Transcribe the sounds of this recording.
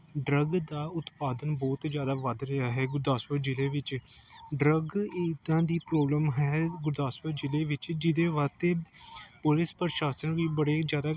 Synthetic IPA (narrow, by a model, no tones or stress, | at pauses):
ɖɾəɡd̪aːʊt̪paːd̪ənbɔːt̪d͡ʒjaːd̪aːʋəd̪ɾəaːɦɛːɡʊɾd̪aːsəɾd͡ʒɪleːʋɪt͡ʃɖɾəɡiːt̪ãːd̪iːpɾoːbləmɦɛːɡʊɾd̪aːsʋəɾd͡ʒɪleːʋɪt͡ʃd͡ʒɪd̪eːʋaːt̪eːpʊlɪspəɾʃaːsənʋiːbəɽeːzjaːd̪aː